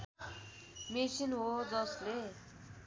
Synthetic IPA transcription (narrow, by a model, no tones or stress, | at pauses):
mesinɦod͡zʌsle